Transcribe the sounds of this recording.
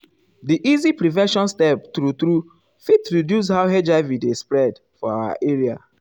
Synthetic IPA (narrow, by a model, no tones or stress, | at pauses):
diʔizipɹivɛ̃ʃɔ̃nstɛp̚tɾutɾu | fitɹidjus̬haʊɦed͡ʒaɪvidespɹɛd | fɔa̰wa̰ʔeɹia̰